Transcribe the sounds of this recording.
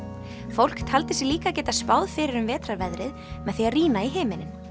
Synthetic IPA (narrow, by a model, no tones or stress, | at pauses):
fowl̥kt̪ʰalt̪ɪsɛliːkacɛːt̪aspaːwðfɪɾɪɾʏmvɛːt̪ɾaɾvɛðɾɪð | mɛðθfiariːnaiɦɪːmɪnɪm